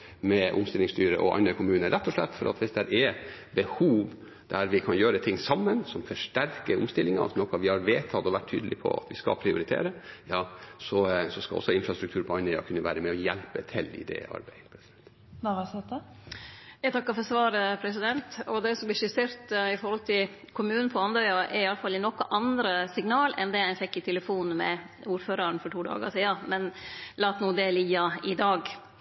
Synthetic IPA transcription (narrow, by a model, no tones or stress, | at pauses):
mɛʔʊ̰mst̪ɪlɪŋst̪yːɾəʔɔʔɑ̰nəkʰʊmʉːnəɾʔɛt̪ːɔʂlɛ̰t̪ːfɔɾʔɑ̰t̪ʋɪsd̪ɛɾʔɛɾbəhuːʋ | d̪̥æɾʋɪkʰɑnjøːɾət̪ʰɪŋːsɑmːənsɔmfɔʂʈæɾkəɾʊ̰mst̪ɪlːɪŋɑ̰nɔkːɑʋɪhɑɾʋeːt̪ʰɑt̪ɔʋæʈ̚ʰːy̰ːd̪əlɪpʰɔ̰ɑ̰t̪ʋɪskɑ̰pʰɾɪʊɾɪt̪ʰḛːɾəjɑːsɔsɔskɑ̰lɔ̰sːɔɪnfɾɑst̪ɾʉkt̪ʰʉːɾpʰɔɑnːəɑ̰kʰʉnːəʋæːɾəmɛɔjɛlpət̪ʰɪlɪ̰d̪ɛ̰ɑ̰ɾbæɪpʰɾɛsɪd̪ɛnt̪ | nɑʁɑsɛt̪ə | ɛt̪ʰɑkːɑfɔɾsʋɑːɾəpʰɾɛs̬ɪd̪ɛnt̪ɔd̪ɛɪsɔmb̪ɪʂɪseːɾt̪ɪfɔɾhɔlt̪ʰɪl | kʰʊmʉːnnpʰɔɑnd̪œʏɑʔɛɾɪɑlːəfɑlːɪnɔkːɑʔɑnd̪ɾəsɪŋnɑːlɛ̰nd̪ɛæɪfɛkːɪt̪ʰɛləfuːnmɛ̰ | uːɾføːɾɑɾɳfɔʈʰuːd̪ɑ̰ːɡsiːɑmɛnlɑːt̪nuːd̪ɛliɡɑɪd̪ɑːɡ